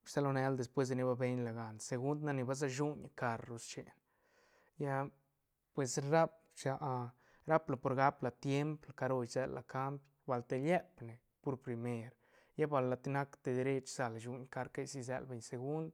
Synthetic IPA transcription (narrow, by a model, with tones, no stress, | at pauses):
sa˦lo˧ne˧ld̪e˨spwe˦s̬d̪e˧ni˦ba˧be˧ɲla˨ɡa˨nse˧ɡu˦nd̪na˦ni˧ba˧˦z̬a˧ʃu˦ɲaka˧ɾɾu˧st͡ʃe˨n | ja˦ | pwe˨sɾa˦p̚ | t͡ʃa˧ʔ | ɾa˦pla˨po˧ɾɡa˦pla˨t̪je˦mplaka˧ɾo˧jze˧˦lːa˨ka˦mpjba˨lt̪e˧lje˦pne˨ | po˧ɾpɾi˧me˧ɾ | ja˦ba˧˨lːa˨t̪i˦na˦kt̪e˧d̪e˧ɾe˦t͡ʃz̥a˧la˨ʃu˧ɲka˧ɾka˦jsi˦˧z̬ḛ˧lbe˧ɲse˧ɡu˦nd̪